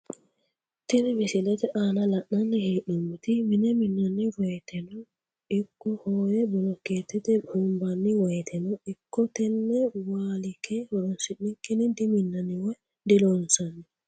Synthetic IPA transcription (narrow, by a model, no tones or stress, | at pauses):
t̪ɪnɪmɪsɪlɛt̪ɛʔaːnɐlɐʔːɐnːɛheːʔɔmːʊt̪ɪmɪnɛmɪnːɐnːɪwɔjt̪ʰɛnɔ | ɪkːɔhoːjɛbɔlɔkeːt̪ːɪd̪ɛbumbɐnːɪwɔjt̪ʰɛnɔɪkːɔt̪ɛnːɛwaːlɪkɛhɔɾɔnsɪnːɪkːɪnɪd̪ɪmɪnːɐnɪwɔj | d̪ɪlɔnsɐnːɛ